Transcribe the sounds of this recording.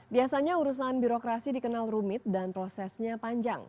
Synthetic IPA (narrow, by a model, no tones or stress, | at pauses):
biasaɲauɾus̬anbiɾokɾasidikənalrumɪt̪̚danpɾosɛsɲapaɲd͡ʒa̰ŋ